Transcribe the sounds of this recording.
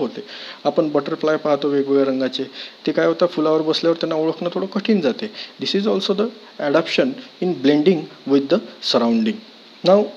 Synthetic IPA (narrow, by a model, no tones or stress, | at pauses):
ɦot̪eapəɳbəʈəɾflajpaɦt̪oʋeɡʋʋeɾəŋɡat͡set̪ekajɦot̪afulaʋəɾbəsljaʋəɾt̪anːauɭəkʰnat̪ʰoɽəkəʈʰiːnd͡zat̪ed̪isid͡zɔlsod̪ə | ɛɽapɕəninblẽɳɖiŋɡʋid̪əsəɾawɳɖiŋɡ | naʋ